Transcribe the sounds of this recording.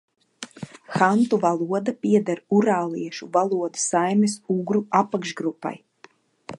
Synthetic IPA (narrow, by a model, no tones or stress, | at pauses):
xant̪uvalˠuɔd̪apiɛd̪aɾuɾaːlˠiɛʃuvalˠuɔd̪u̥sajmʲɛsuɡɾuapːakʃɡɾupːa̰j